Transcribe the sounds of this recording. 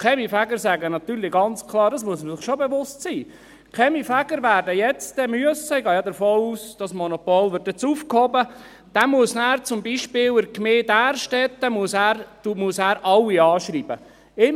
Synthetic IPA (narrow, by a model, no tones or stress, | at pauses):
kʰɛmifæɡəɾsæɡənɑt̪yːɾlɪɡɑnt͡skʰlˠɑːɾdɑsmuəsməsɪχʃobeʋʊstsiː | kʰɛmifæɡəɾʋæːɾdəjɛt͡sd̥ɛmyəssɛɡɑːjɑdəɾfoːuːsd̥ɑsmɔnopoːlʋɪɾt̪ːɛt͡suːfkhɔbə | d̥ɛmuəsnæːɾt͡sʊmbiʃpɪːwəkmeːdæːɾʃtɛt̪̚dɛmuəsæːɾd̥umuəsæːɾɑwːiɑːʃɾiːbə | ɪ